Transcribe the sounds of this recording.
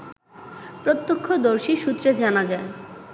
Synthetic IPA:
pɾot̪ːokʰːod̪oɾʃiʃut̪ːɾed͡ʑanad͡ʑae

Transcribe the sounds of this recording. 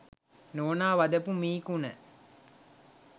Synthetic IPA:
noːnaːʋad̪əpumiːkunə

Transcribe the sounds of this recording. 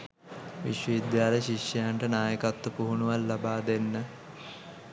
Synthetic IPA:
ʋḭʃʋəid̪jaːləɕikːəjaɳʈənaːjəkat̪ːəpuɦunuʋalːabaːd̪enːə

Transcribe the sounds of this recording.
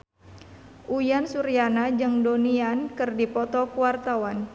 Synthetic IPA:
ʔujansuɾianad͡ʒɨŋdoniankɨrdipɔt̪ɔkuwart̪awan

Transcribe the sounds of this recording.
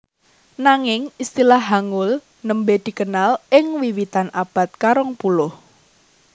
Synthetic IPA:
naŋɪŋist̪ilahɦaŋʊl | nəmbed̪̥i̤kənalɪŋwiwit̪anʔab̥a̤t̪̚kaɾɔŋpulʊh

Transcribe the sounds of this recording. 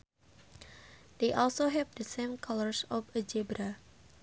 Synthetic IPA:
deʔɔlsoɦɛvdəsẽmkʰaləɹsɔfəd͡ʒebɾa

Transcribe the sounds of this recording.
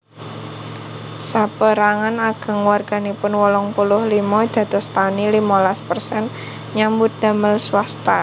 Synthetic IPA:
sapəɾaŋanaɡ̥ə̤ŋwarɡ̥a̤nipʊnwɔlɔŋpulʊhlimɔd̪̥ä̤t̪ɔ̤st̪anilimɔlaspərsɛn | ɲambʊt̪̚da̤məlswast̪a

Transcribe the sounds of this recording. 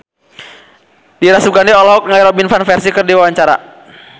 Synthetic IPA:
diɾasuɡandiɔlɔɦɔk̚ŋaiɾɔbinfanfɛrsikɨrdiwawaɲt͡ʃaɾa̰

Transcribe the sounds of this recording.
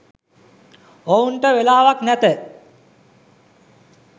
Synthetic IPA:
ounʈəʋelaːʋaknæt̪ə

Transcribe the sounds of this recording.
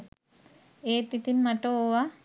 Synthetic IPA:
eːt̪it̪inmaʈooʋa

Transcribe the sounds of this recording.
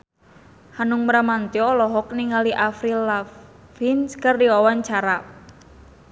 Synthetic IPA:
hanuŋməɾamant̪jɔlɔɦɔk̚niŋaliʔafɾila | finskərdiwawaɲt͡ʃaɾa

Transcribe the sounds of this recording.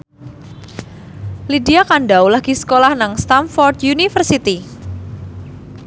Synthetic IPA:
lidiakaɳɖawlaɡ̥isə̥kolahnaŋst̪amfɔrt̪junifərsit̪i

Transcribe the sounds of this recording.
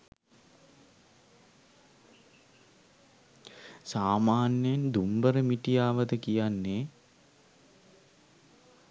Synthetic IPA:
saːmaːnjəjnd̪umbəɾəmiʈijaːʋəd̪əkijanːe

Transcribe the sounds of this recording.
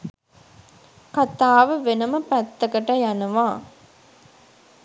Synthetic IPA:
kat̪aːʋəʋenəməpæt̪ːɐkəʈɐjanɐʋaː

